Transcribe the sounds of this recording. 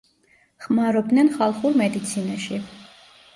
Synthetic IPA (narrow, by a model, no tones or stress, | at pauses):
χmaɾɔb̚d̪nɛnχalˠχuɾmɛd̪it̪sʰinaʃi